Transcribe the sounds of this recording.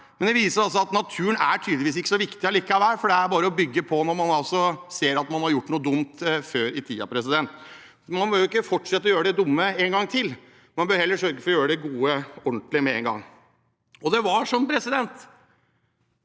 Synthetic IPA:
mɛnd̪ɛʋiːsəɾɑls̬ɔɑt̪nɑt̪ʰʉːənæʈʰyːd̪lɪʋiːs̬ɪkːəsɔʋɪkt̪ɪɑliːkːəɑʋæːɾfɔɖɛæɾbɑːɾəɔbʏɡːəpʰɔnɔɾmɑnɑlsɔseːɾɑt̪mɑnhɑɾjʊʈːnuːəd̪ʊmt̪føːɾɪt̪ʰiːɑ̰pʰɾɛs̬ɪd̪ɛnt̪ | mɑnbøːɾʊɪkːəfɔʈʂɛt̪ːəɔjøːɾəd̪ɛd̪ʊmːəeŋɡɑŋːt̪ʰɪlː | mɑnbøːhɛlːəʂœɾɡəfɔɾɔjøːɾəd̪ɛɡuːəɔɳt̪lɪmɛɛŋɡɑ̰ŋː | ɔd̪ɛʋɑʂɔmpʰɾɛsɪd̪ɛnt̪

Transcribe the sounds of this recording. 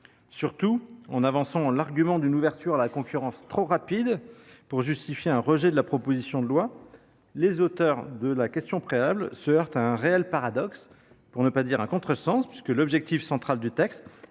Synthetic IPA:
syʁt̪uɑ̃navɑ̃sɑ̃laʁɡʲymɑ̃d̪ynuvɛʁt̪yʁalakɔ̃kʲyʁɑ̃st̪χoʁapid̪puʁʒyst̪ifjeɛ̃ʁəʒɛd̪əlapχɔpozisjɔ̃d̪əlwa | lezot̪œʁd̪əlakʲɛst̪jɔ̃pχeablsəœʁt̪aɛ̃ʁeɛlpaʁad̪ɔks | puʁnəpad̪iʁɛ̃kɔ̃t̪χəsɑ̃spɥiskəlɔbʒɛk̚t̪ifsɑ̃t̪χald̪yt̪ɛkst̪

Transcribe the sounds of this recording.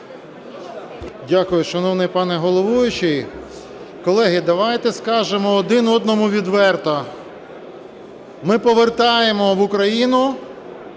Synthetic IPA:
dʲakʊjʊʃɐnɔwnɪjpɑnɛɦɔlˠɔʋujʊt͡ʃɪj | kɔlˠɛɦɪd̪ɐʋɑjt̪ɛskɑʒemɔːd̪ɪnɔd̪nɔmʊʋʲid̪ʋɛrt̪ɐ | mɪpɔʋert̪ɑjemɔʋʊkɾɐjinʊ

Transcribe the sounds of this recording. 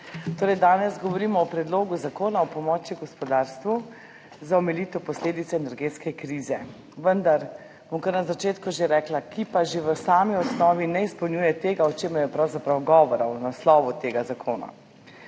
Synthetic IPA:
t̪oːɾɛjd̪aːnɛzɡɔʋɔɾiːmɔːpɾɛd̪loːɡuzakoːnaɔpɔmɔːt͡ʃiɡɔspɔd̪aːɾst̪ʋu | zaɔmɛlit̪ɛpɔsleːd̪it̪sɛːnɛɾɡeːt̪skɛkɾiːzɛ | ʋənd̪aɾ | b̥ɔmkəɾnazat͡ʃeːt̪kuʒeɾɛːklakipaʒeʋəsaːmiɔsnɔːʋinɛispɔwnɲuːjɛt̪eːɡaɔt͡ʃeːmɐɾjɛpɾawzapɾawɡɔːʋɔɾaɔnaslɔːʋut̪eːɡazakʰoːna̰

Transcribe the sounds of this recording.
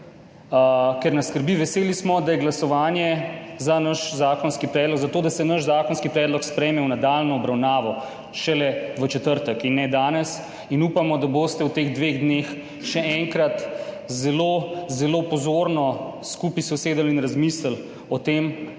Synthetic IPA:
kɛɾnaskəɾbiʋɛseːlismɔd̪ajɛɡlasɔʋaːnjɛzanaʃzaːkɔnskipɾɛːd̪lɔɡzat̪oːd̪asɛnəʃzaːkɔnskipɾɛːd̪lɔkspɾɛjmɛwnad̪aːlnɔːbɾawnaːʋɔ | ʃɛlɛʋət͡ʃɛt̪əɾt̪əkinːɛd̪aːnɛs | inuːpamɔd̪abost̪ɛwt̪eːɣd̪ʋeɣd̪nex | ʃɛɛŋkɾat̪ | zɛlozɛlopɔzoːɾnɔskuːpisɔseːd̪alinɾazmisləl | ɔt̪eːm

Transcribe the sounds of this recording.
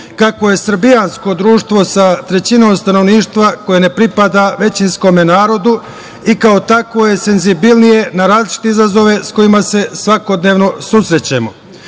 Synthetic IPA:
kako̞je̞sɾbijansko̞d̪ɾuːʃt̪ʋo̞sat̪ɾe̞t͡ɕinoːmst̪ano̞ʋniːʃt̪ʋako̞je̞ne̞pɾipad̪aʋe̞t͡ɕinsko̞me̞naːɾo̞d̪u | ikaot̪ako̞je̞se̞nzibilnije̞naɾaːzlit͡ʃi̥t̪e̞izazo̞ʋe̞sko̞imase̞sʋako̞d̪ne̞ːʋno̞susɾe̞t͡ɕemo̞

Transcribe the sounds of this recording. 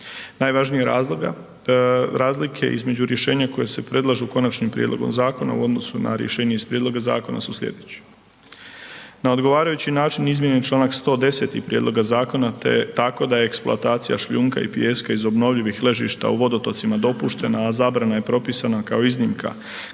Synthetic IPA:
naːjʋaʒnijeɾa | ɾaːzlikʰe̞̰ʔḭzme̞d͡ʑuɾje̞ʃe̞ːɲako̞jese̞pɾe̞d̪lˠaʒuko̞nat͡ʃnimpɾʲijed̪lo̞̰ɡomzaːko̞na̰ṵo̞d̪no̞suna̰ɾjeʃe̞ːɲeispɾʲjed̪lo̞ɡaza̰ːko̞na̰susʎʲḛd̪et͡ɕi̥ | nao̞d̪ɡo̞ʋaːɾajut͡ɕinaːt͡ʃinizmjenet͡ʃlˠaːnakst̪o̞ːd̪e̞se̞t̪ixpɾjed̪lo̞ɡazaːko̞nat̪ḛt̪ako̞d̪ajeeksplo̰at̪aːt̪sija̰ʃʎuːŋka̰ḭpijeskaizo̞bno̞ʋʎiʋixle̞ʒiʃt̪a̰uʋo̞d̪o̞t̪o̞t̪simad̪o̞puʃt̪e̞naːzaːbɾanaje̞pɾo̞pisanakao̞iznimkʰa̰

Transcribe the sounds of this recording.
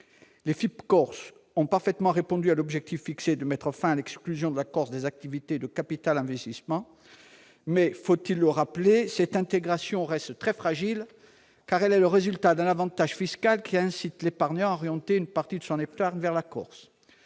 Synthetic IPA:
lefipkɔʁs | ɔ̃paʁfɛt̪mɑ̃ʁepɔ̃d̪yalɔbʒɛk̚t̪ifːiksed̪əmɛt̪χəfɛ̃alɛksklyzjɔ̃d̪əlakɔʁsd̪ezak̚t̪ivit̪ed̪əkapit̪alɛ̃vɛst̪ismɑ̃ | mɛfot̪ilːəʁaplesɛt̪ɛ̃t̪eɡʁasjɔ̃ʁɛst̪t̪χɛfχaʒil | kaʁɛlɛləʁezylt̪ad̪ɛ̃navɑ̃t̪aʒfiskalkʲʰiɛ̃sit̪lepaʁɲɑ̃ɔʁjɑ̃t̪eynpaʁt̪id̪əsɔ̃nept̪aʁɲvɛʁlakɔʁs

